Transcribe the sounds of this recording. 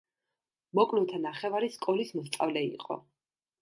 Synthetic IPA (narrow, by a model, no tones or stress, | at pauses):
mɔkʼlut̪ʰanaχɛvaɾiskʼɔlismɔst̪sʼa̰vlɛḭqʼɔ̰